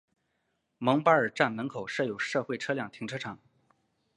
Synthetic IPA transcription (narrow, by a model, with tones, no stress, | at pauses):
mɤ˧˥ŋpa˥ə˞˨˩ʈ͡ʂa˥˩nmə˧˥nkʰo˨˩ʊʂɤ˥˩jo˨˩ʊʂɤ˥˧xwe˥˩ɪʈ͡ʂʰɤ˥ljɑ˥˩ŋt̪ʰi˧˥ŋʈ͡ʂʰɤ˥ʈ͡ʂʰɑ˨˩˦ŋ